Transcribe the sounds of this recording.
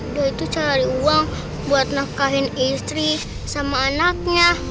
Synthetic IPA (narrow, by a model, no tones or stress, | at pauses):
dait̪ut͡ʃaɾiuaŋ | buat̪̚nahkaɦinist̪ɾi | samaːnak̚ɲa